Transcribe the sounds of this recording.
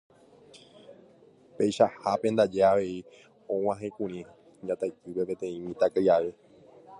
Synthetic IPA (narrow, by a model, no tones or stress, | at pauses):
pejʃahapend̪ad͡ʒe̞aʋe̞i | õw̃ãɦẽkũɾ̃ĩ | d͡ʒat̪ajkɨpe̞pẽ̞t̪ẽ̞ĩmĩt̪akajaʋe